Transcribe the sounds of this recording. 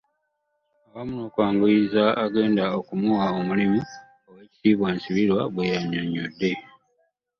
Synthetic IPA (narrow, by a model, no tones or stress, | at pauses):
owamuno̞ːkwaːŋɡuizaːɡe̞ːndaokumuwaomulimi | oweːci̥tiːβwansiβiɾwaβwe̞jaɲːoɲːo̰dːe̞